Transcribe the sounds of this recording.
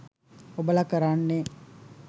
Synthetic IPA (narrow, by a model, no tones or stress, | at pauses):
obəlakəɾanːe